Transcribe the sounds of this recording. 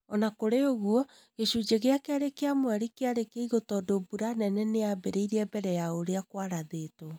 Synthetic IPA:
ɔnakoɾeoɣuɔ | ɣeʃud͡ʑeɣeakeaɾekeamwɛɾikeaɾekeiɣotɔdobuɾanɛnɛneabeɾeiɾiɛbɛɾɛjaoɾeakwaɾaðeto

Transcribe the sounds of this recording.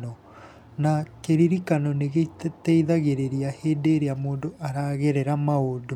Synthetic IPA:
ɔ | nakeɾiɾikanɔneɣettɛiðaɣeɾeɾiaheːndeːɾeamoːndoʔaɾaɣeɾeɾamaodo

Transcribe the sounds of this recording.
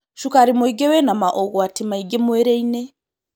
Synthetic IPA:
ʃukaɾimoiɡewɛnamaʔɔɣɔatimaiɡemweɾeine

